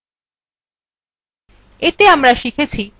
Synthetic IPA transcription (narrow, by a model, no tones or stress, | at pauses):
et̪eamɾaʃikʰet͡ɕʰi